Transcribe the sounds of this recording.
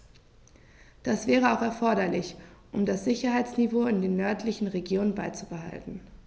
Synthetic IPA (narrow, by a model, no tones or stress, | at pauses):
d̥asv̥ɛːʁ̞əaʊxɛɐfɔɐɾɐlɪçʔʊmdasz̥ɪçɐɦaɪt͡snivoːɪndeːnːœɐtʰlɪçn̩ʁeɡjoːnənbaɪt͡subəɦa̰ltn̩